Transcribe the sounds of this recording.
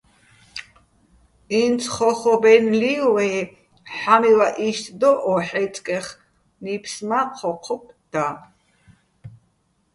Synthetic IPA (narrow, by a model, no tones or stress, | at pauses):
int͡sʰχɔχɔbɛnliwɛ | ħamilaʔiʃt̪ʰd̪ɔʔɔħɛt͡s̪ʼkʼɛχ | nipʰsmaqʰɔqʰɔp̚ʰd̪̥a